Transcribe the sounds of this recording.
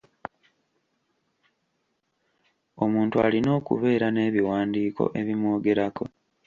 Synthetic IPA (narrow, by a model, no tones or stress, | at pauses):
o̞muːntua̰lino̞ːkṵβe̞ːɾane̞ːβiwaːndiːkʰo̞̰ʔe̞βimwo̞ːɡe̞ɾako̞̰